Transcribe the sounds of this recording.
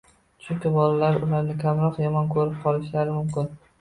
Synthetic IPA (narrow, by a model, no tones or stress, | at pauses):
t͡ʃʰʊŋkʲɪbɒlalaɾʊlaɾnɪkʲʰamɾɒqjɒmɒnkʰɵɾɪp̚qʰɒlˠɪʃlaɾɪmʊmkʲɪn